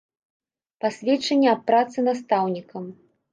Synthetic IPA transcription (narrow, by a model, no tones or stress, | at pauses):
pasʲvʲɛt͡ʂɐnʲːɛɐːɾat̪sɨnast̪awnʲikɐm